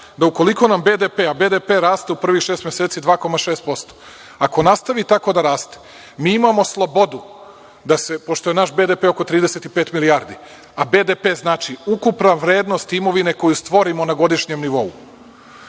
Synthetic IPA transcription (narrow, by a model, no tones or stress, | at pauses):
d̪auko̞liko̞nambe̞d̪epeːabe̞ːd̪epeɾaːst̪eupr̩ʋixʃeːst̪mjeseːt̪sid̪ʋaːko̞maʃeːst̪̚po̞st̪o̥ | ako̞nast̪aʋit̪ako̞d̪aɾaːst̪e̥ | miːimamo̞slˠo̞bo̞d̪u | d̪ase̞po̞ʃt̪o̞jenaʃbe̞d̪epe̞o̞ko̞t̪ɾiːd̪eset̪ipe̞ːt̪miliaːɾd̪i | abe̞d̪epe̞ːznaːt͡ʃiukupnaʋɾe̞ːd̪nost̪imo̞ʋine̞ko̞just̪ʋo̞ɾimo̞naɡo̞d̪iʃɲe̞mniʋo̞u